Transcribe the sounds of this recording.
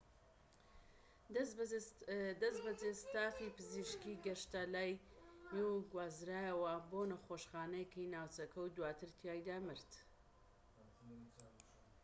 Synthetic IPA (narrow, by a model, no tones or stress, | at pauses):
d̪ɐsbɐd͡zest̪aːfipɨziʃkiɡɐʃt̪alaːjmewɡwaːzɾaːjɐwɐbonɐxoʃχaːnɐjkijnaːwt͡sɐkʰɐwd̪waːt̪ɨɾt̪ʰjaːjd̪aːmɨɾt̪